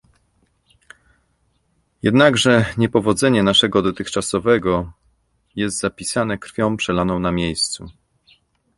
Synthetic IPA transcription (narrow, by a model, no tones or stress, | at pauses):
jɛd̪naɡʐɛɲɛpɔvɔd̪zɛɲɛnaʂɛɡɔd̪ɔt̪ɘxt͡ʂasɔvɛɡɔ | jɛst̪zapʲisanɛkɾfʲjɔ̃w̃pʂɛlanɔ̃w̃namʲjejst̪su